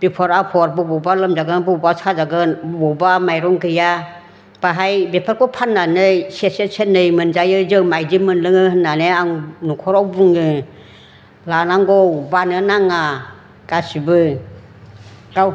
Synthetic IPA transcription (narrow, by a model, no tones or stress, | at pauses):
b̥ipʰɔɾapʰɔɾbɯbɔbalɯmd͡ʒaɡɯnbɔbasad͡ʒaɡɯnbbɔbamajɾɔŋkɯja | b̥aɦajbepʰaɾkʰɔpʰanːanɯjsesesenːɯjmɯnd͡ʒajɯzɯmajd͡ʒimɯnlɯŋɯhɯnːanɯaŋnukʰɔɾawbuŋɯ | lanaŋɡɔwbanɯnaŋa | ɡ̥asibɯ | ɡ̥aw